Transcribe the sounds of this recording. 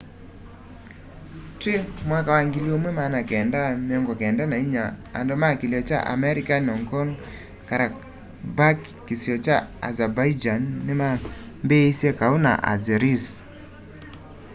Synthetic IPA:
twemwakawaŋɡiliomwemanakɛndamɪɔŋɡɔkɛndanaiɲaa̰ndɔmakiljɔt͡ʃa̰ʔa̰mɛɾikanɔŋkɔn | kaɾa | bakːisjɔt͡ʃaa̰zabaid͡ʒanːɪma | mbeisekauna̰ʔa̰zɛɾis

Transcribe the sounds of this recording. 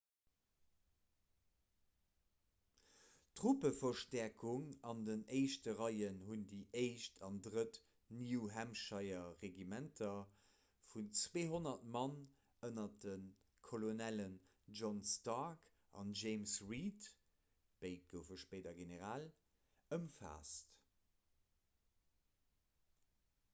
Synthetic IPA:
tʁupəfɐʃtæɐkʰuŋɑndəneɪʃtəʁɑɪənɦundiːʔeɪʃtʰɑndʁət | niwɦæmʃɑɪɐʁeɡimæntʰɐ | funt͡sweːɦonɐtmɑn | ənɐdən | kʰolonælən | ʒɔnstɑk | ʔɑ̰nʒeɪmsʁit | b̥eɪt̚ɡ̥əʊfəʃpeɪdɐɡeneʁaːl | əmfa̰ːst

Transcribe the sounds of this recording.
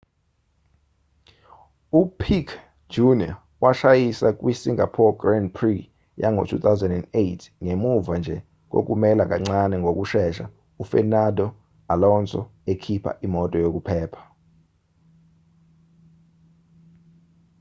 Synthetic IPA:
upʰikʰ | d͡ʒunia | waʃajisak̬ʼwisiŋapʰɔɡrandpʰri | ja̰ŋo̰tʰṵt̪ʰawzɛndɛndejtʰŋemuvand͡ʒʱɛ | k̬ʼo̰k̬umɛlak̬ʼaŋ͡ǀanɛŋɡʱok̬ʼuʃɛʃa̰ | ufɛnadɔ | alɔnsʼɔ̰ekʰipʰa̰ʔimɔtʼɔjok̬ʼupʰɛːpʰḁ

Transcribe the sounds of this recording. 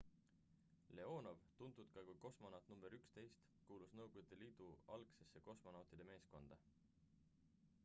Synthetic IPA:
le̞o̞ːno̞vt̪unt̪ˑud̪̥kɑkujko̞smo̞nɑwt̪ːnumb̥eɾykst̪e̞jst̪ | kuːlusnɤwɡ̥od̪̥eliːd̪̥uɑlkse̞sːe̞ko̞smo̞nɑwt̪ˑid̪̥e̞me̞ːsko̞nd̪̥ɑ

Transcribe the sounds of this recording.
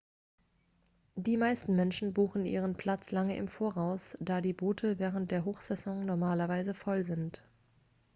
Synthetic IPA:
d̥iːmaɪstn̩mɛnʃn̩buːxn̩ʔḭːʁ̞ənpʰl̥at͡slaŋəʔɪ̰mfoːɐʁaʊsd̥aːdiːboːtʰəvɛːʁ̞ənt̚d̥eːɐɦoːxz̥ɛzɔ̃ŋnɔɐmaːlɐvaɪzəfɔlzɪnt

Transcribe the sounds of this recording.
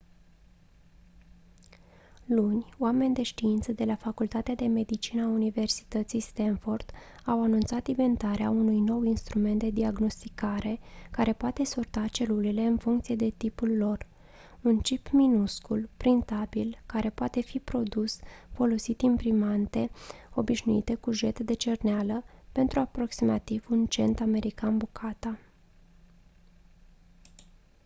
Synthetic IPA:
lunʲoame̞nʲd̪e̞ʃt̪iint̪səd̪e̞lafakult̪at̪ead̪e̞me̞d̪it͡ʃinəaunive̞rsi̥t̪ət̪sijst̪enfo̞rd̪̥awanũnt̪sat̪ive̞nt̪aɾeaunujno̞winst̪ɾume̞nt̪̚d̪e̞d̪iaɡno̞st̪ikaɾe̞kaɾe̞poat̪e̞sort̪at͡ʃe̞lule̞le̞ɨnfuŋkt̪sije̞d̪e̞t̪ipulːo̞r | unt͡ʃipminuskulpɾint̪abilkaɾe̞poat̪e̞fipɾo̞d̪usfo̞lo̞sit̪impɾimant̪e̞o̞biʃnuit̪e̞kuʒe̞t̪d̪e̞t͡ʃe̞rnealəpe̞nt̪ɾuapɾo̞ksima̰t̪iv̥unt͡ʃe̞nt̪ame̞ɾikanbukʰat̪a

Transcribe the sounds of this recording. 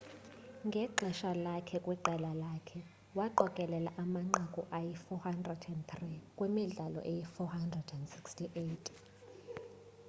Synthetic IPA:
ŋɡʱɛǃʱɛʃalakʰɛkʼwiǃɛlalakʰɛ | waǃɔkʼɛlɛlaʔamaŋ͡ǃakʼuʔajifɔhandrɛdɛndt̪rikʼwemiɮalɔ̰ʔɛjifɔhandrɛdɛndsikstʰiʔeːtʰʼ

